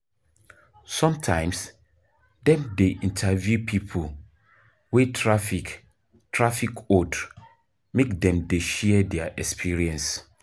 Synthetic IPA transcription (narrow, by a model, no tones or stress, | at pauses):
sɔ̃mtʰãɪ̃ms | dɛ̃mdeʔĩntʰavjupʰipʰo | wetʰɹafik | tʰɹafikod | mekdɛ̃mdeʃɛdɛaʔɛkspʰiɹiɛ̃ns